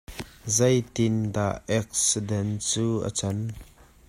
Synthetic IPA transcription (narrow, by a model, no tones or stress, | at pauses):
zɐjt̪ɪnd̪aʔɛk̚sidɛnt͡suːʔə̰t͡sɐn